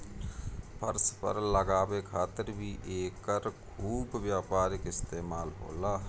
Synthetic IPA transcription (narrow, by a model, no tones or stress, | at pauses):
pʰə̰ɾspə̰ɾləɡaːbekʰaːt̪əɾbʱiʔeːkəɾkʰuːbːjaːpaːɾɪkɪst̪eːmaːlɦo̰ːlaː